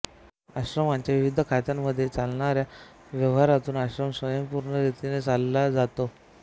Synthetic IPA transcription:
aɕɾəmaɲt͡ɕjaʋiʋid̪ʱəkʰat̪jamːəd̪ʱːjet͡salɳaɾja | ʋjəʋɦaɾat̪uːnaɕɾəmsʋəjəmpuɾɳəɾit̪inet͡salːad͡zat̪o

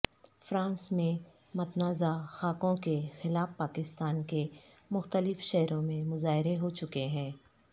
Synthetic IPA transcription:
fɾãːnsmẽ | mɐt̪naːzaxaːkõkexɪlaːfpaːkɪst̪aːnke | mʊxt̪əlɪfʃɛɦɾõmẽmʊzaːɦɪɾeɦot͡ʃʊkeɦɛ̃ː

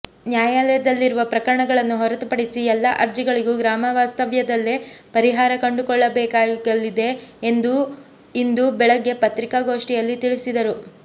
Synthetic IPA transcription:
njaːjaːlɛjɐd̪ɐlːiɾuʋɐpɾɐkɐɾɐɳɐɡɐɭɐnːuɦɔɾɐt̪upɐɽisiɛlːɐʔɐɾd͡ʒiɡɐɭiɡuɡɾaːmɐʋaːst̪ɐʋjɐd̪ɐlːepɐɾiɦaːɾɐkɐɳɖukɔɭːɐbɛːkaːɡɐlːid̪e̞ːnd̪u | ind̪ubɛɭɐɡːe̞pɐt̪ɾikaɡo̞ːʂʈijɐlːit̪iɭisid̪ɐɾu

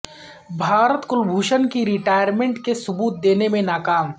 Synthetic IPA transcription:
bʱaːɾət̪kʊlbʱuːʃənkiɾɪʈaːjəɾmẽːɳʈkesʊbuːt̪̚d̪eːnemẽnaːkaːm

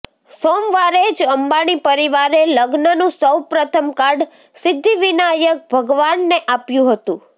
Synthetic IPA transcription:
somʋaɾed͡ʒəmbaɽ̃ipəɾiʋaɾeləɡnənũsəwpɾət̪ʰəmkaɾɖ | sɪd̪ʱːiʋinajək̚bʱəɡʋanːeʔapjũɦət̪ṵ̃

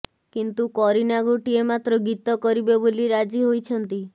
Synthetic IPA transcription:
kint̪ukɔɾinaɡoʈiemat̪ɾɔɡit̪ɔkɔɾibeboliɾad͡ʒiɦojt͡ʃʰɔnt̪i

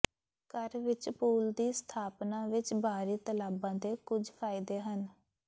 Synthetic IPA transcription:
kəɾʋɪt͡ʃpuːld̪iːst̪ʰaːpnãːʋɪt͡ʃbaːɾiːt̪əlaːbãːd̪eːkʊd͡ʒpʰaːɪd̪eːɦən

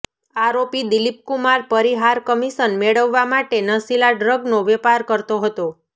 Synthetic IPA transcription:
aɾopid̪ilip̚kumaɾpəɾiɦaɾkəmiʃənmeɭəʋːamaʈenəsilaɖɾəɡnoʋɛpaɾkəɾt̪oɦət̪o

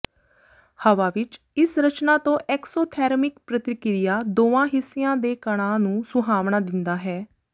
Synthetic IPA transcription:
həʋaːʋɪt͡ʃ | ɪsɾət͡ʃnaːt̪õːʔɛːksoːt̪ʰɛːɾmɪkpɾət̪ɪkɾɪjaːd̪oːãːɦɪsːɪjãːd̪eːkəɽ̃ãːnũːsʊɦaːʋɳ̃aːd̪ɪnd̪aːɦɛː

